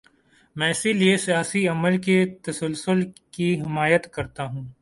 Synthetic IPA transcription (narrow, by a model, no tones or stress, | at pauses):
mɛ̃ːɪsiliesijaːsiɐməlket̪ɐsəlsʊlkiɦɪmaːjət̪kɐɾt̪aɦũː